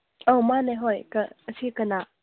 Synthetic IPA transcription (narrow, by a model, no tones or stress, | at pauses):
owmaneɦɔjkəəsʰikəna